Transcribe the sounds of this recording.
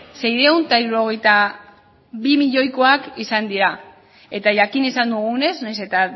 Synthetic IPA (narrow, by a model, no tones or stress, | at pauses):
se̞jðeunt̪aiɾuɾo̞ɣ̞e̞jt̪a | βimiʎo̞jkoakisand̪iɾa | e̞t̪aʝakinesand̪uɣ̞une̞znajse̞t̪a